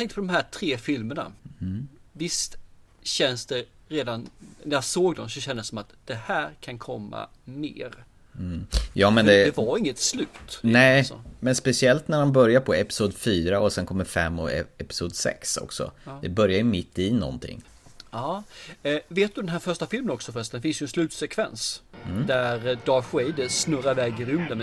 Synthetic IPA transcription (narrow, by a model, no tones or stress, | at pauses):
jat̪ɛ̃ŋkt̪əpʰɔd̪ɔmɦæʈʰɾeːfɪlməɳa̰ | vɪst̪ | ɕɛnsd̪ɛɾeːd̪annæɾjasoːɡd̪ɔmsɔɕɛnd̪əsːɔmat̪d̪̥ɛhæːɾkʰankʰɔmːa̰ | mḛːɾ̩ | jɑːmɛnd̪ɛdɛvaaɾɪŋːət̪slʉ̟ːt̪nɛ̰mɛnspɛsɪɛlt̪næɾhanbœɾjaɾpʰɔɛpɪ̥suːd̪fyːɾaɔsɛnkʰɔmːəɾfɛ̰mːɔ̰ɛɛpɪ̥suːd̪sɛ̰ksɔ̰ksɔ̰d̪ɛbœɾjajɵmɪt̪ːɪnɔ̰nt̪ʰɪ̰ŋː | ɑː | veːt̪̚d̪ɵd̪ɛnɦæːɾfœɾʂʈafɪlmənɔksɔfœst̪ɛnfɪnsjɵɛnslʉ̟ːt̪sɛkʰvɛ̰ns̩d̪æɾd̪ɑːɧɛjd̪əsnɵɾaɾvɛːɡɪɾɵmd̪əmɛ